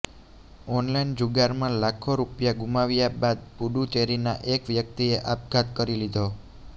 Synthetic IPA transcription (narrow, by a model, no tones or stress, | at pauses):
ɔnlaind͡ʒuɡaɾmãlakʰoɾupjaɡumaʋjabad̪̚puɖut͡ʃeɾinaʔekʋjək̚t̪ieʔap̚ɡʱat̪kəɾilid̪ʱo